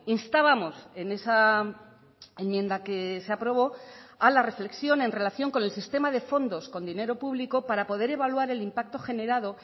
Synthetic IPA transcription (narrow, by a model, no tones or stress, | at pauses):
inst̪aβamo̞se̞ne̞sa | emmje̞nd̪ake̞seapɾo̞β̞o̞alare̞fle̞ksjo̞nẽ̞nre̞laθjo̞ŋko̞ne̞lsist̪e̞maðe̞fo̞nd̪o̞sko̞nd̪ine̞ɾo̞puβliko̞paɾapo̞ð̞e̞ɾe̞βalwaɾe̞limpak̚t̪o̞xe̞ne̞ɾað̞o̞